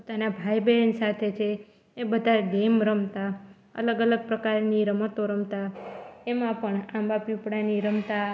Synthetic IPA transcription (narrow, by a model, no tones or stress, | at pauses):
pot̪anabʱajbeənsat̪ʰet͡ʃʰeː | bəd̪ʱaɖemɾəmt̪a | ə̰ləɡələɡ̚pɾəkaɾniɾəmət̪oɾəmt̪aemãpəɳãmbapipɽaniɾəmt̪a